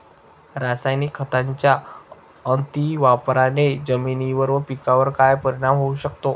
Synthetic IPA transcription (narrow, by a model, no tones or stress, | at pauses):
ɾasajnikʰːət̪aɲt͡ɕja | ənt̪iʋapɾaned͡zəminiʋəɾʋəpikaʋəɾkajpəɾiɽ̃amɦouɕəkt̪o